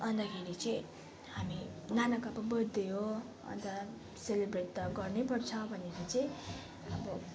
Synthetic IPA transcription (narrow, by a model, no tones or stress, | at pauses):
ʌnd̪akʰeɾit͡sʌĩ | haminanakʌpʌbʌd̪ejo | ʌ̰nt̪ʌ | selebreʈd̪ʌɡʌrnepʌrt͡sʰʌbʱʌnekot͡sʌj̃ | ʌbʌ